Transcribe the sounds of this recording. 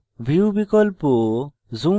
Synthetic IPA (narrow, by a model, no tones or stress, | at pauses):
bʱiubikɔlpɔ | zu